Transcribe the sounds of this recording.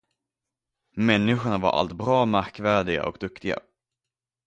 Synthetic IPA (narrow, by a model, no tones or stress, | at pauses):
mɛnːɪɧʊɳava̰ɾʔa̰lt̪bɾɑːmæɾkvæːɖɪɡa̰ʔɔ̰kd̪ɵkt̪ɪɡa̰